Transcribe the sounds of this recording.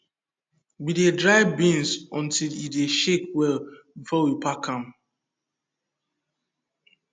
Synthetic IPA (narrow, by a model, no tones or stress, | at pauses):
widedɹaɪbĩnsɔ̃ntilideʃek̚wɛlbifɔwipʰakʰãm